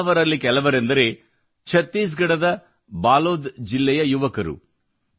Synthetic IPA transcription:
ɐʋɐɾɐlːikɛlɐʋɐɾe̞nd̪ɐɾe̞ː | t͡ʃʰɐt̪ːiːs̬ɡɐɽɐd̪ɐ | baːloːd̪d͡ʒilːɛjɐjuʋɐkɐɾṵ

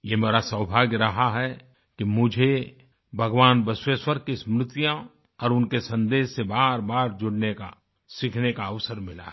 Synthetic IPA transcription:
jeːmeːɾasəwbʱaːɡjɾɐɦaɦɛ | kimʊd͡ʒʱe | bʱɐɡʋaːnbɪswəswəɾkismɾɪt̪jã | ɔːɾʊnkesɐ̃nd̪eːsːebaːɾbaːɾd͡ʒʊɽneka̰ | sɪkʰnekaəʋsəɾmɪla̰

